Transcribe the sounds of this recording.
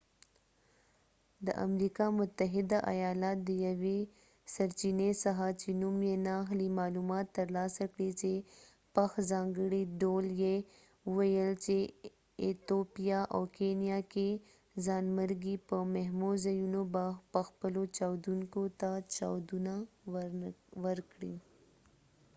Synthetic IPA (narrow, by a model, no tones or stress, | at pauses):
d̪ə̰ʔa̰mɾikamʊt̪ːəɦɪd̪aʔa̰jɑːlat̪̚d̪əjɐwe | sɐɾt͡ʃinesaɦat͡ʃenumjenaxlimɑːlumɑt̪ːɐɾlɑsakɽit͡ʃe | paxzɑːŋɡəɽiɖolje | wɐjəlt͡ʃe | ɪt̪oːpijaʔɔːkeːnijake | zaːnməɾɡipəmɐɦmozɐjunobaxpɐxpəlot͡ʃaːwd̪unkot̪at͡ʃa̰ːwd̪una | ʋɐɾkɽḭ